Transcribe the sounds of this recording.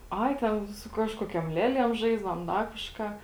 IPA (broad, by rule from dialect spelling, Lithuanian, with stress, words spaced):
ˈɐɪ ˈtʲɛn sʊ ˈkɑːʃkoːkʲoːm ˈlʲiɛˌlʲiɛm ˈʒɐɪzdɐʋoːm ˈdɐ kɐʃˈkɑː